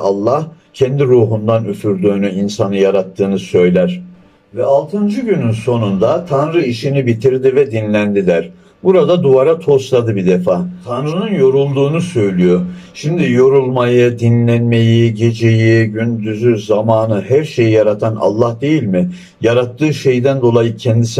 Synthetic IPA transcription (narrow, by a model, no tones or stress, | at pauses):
a̰lˠːah | cʰɛnd̪iɾuːɦund̪anyfyɾd̪yːnyinsanɯjaɾat̪ʰːɯːnɯsø̞jlʲæɾ̥ | vɛalˠt̪ʰɯnd͡ʒɯɟynynso̞nund̪at̪ʰanɾɯiʃinibit̪ʰiɾd̪ivɛd̪inlʲænd̪id̪æɾ | buɾad̪ad̪uvaɾat̪ʰo̞slˠad̪ɯbid̪efaːt̪ʰanɾɯnɯnjo̞ɾulˠd̪uːnusø̞jlʲyjo̞ | ʃimd̪ijo̞ɾulˠmajɯd̪inlʲænme̞jiɟe̞d͡ʒe̞jiɟynd̪yzyzamaːnɯɦæɾʃe̞jijaɾat̪ʰana̰lˠːahd̪e̞jilʲmɪ | jaɾat̪ʰːɯːʃe̞jd̪ænd̪o̞lˠajɯcʰɛnd̪isi